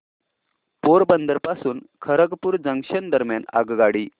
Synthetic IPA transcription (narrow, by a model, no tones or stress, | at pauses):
poɾbənd̪əɾpasuːnkʰəɾəɡpuːɾd͡zəŋɕənd̪əɾmjana̰ɡɡaɽiː